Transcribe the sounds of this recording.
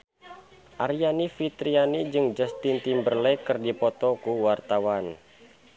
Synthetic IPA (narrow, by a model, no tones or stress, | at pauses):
ʔaɾianifit̪ɾianid͡ʒɨŋd͡ʒast̪int̪imbərlɛkɨrdipɔt̪ɔkuwart̪awan